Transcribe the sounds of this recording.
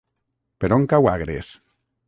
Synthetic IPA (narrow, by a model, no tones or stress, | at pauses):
peɾoŋkawaɣɾes